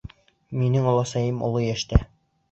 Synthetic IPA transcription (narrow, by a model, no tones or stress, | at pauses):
minɘŋŏlˠɑsɑjɤmŏ̰lˠɤjæʃt̪æ